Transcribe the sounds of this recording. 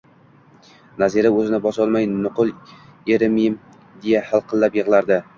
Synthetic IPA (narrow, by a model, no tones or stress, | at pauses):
naziɾaɵzɪnɪbɒsɒlˠmajnʊqʊlˠ | eɾmim | d̪e̞jahalˠqʰɨlˠːapjɨʁlˠaɾd̪ɪ